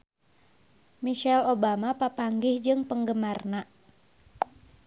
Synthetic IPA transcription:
miʃɛlobamapapaŋɡɪhd͡ʒɨŋpəŋɡəmarna

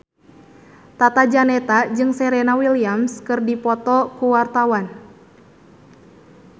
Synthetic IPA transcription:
t̪at̪ad͡ʒanɛt̪ad͡ʒɨŋsɛɾɛnawiliamskɨrdipɔt̪ɔkuwart̪awan

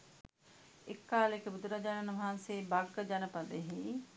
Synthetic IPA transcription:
ekːaːlekebud̪uɾad͡ʒanɐnʋɐɦanseːbɐɡəd͡ʒɐnɐpɐd̪eɦi

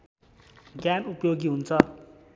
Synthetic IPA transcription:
ɡjanupjoɡiɦunt͡sʰʌ

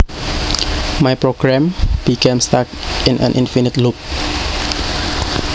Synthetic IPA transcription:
majpɹoɡɹɛ̃mb̥ikẽmstakĩnã̰nʔĩnfinitlup̚

